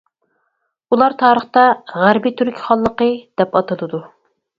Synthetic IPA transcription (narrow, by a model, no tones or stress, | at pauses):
ulˠɑɾt̪ʰɑːɾəχt̪ɑʁæɾbit̪ʰyɾkʲʰi̥χɑlˠːəqəd̪̥ɛpɑt̪ɨlˠɨd̪u